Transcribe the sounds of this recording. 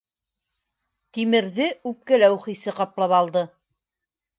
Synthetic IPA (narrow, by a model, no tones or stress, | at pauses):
t̪imɘ̆ɾðɘʉp̚kælæwχisɘqɑplˠɑpɑlˠd̪ɤ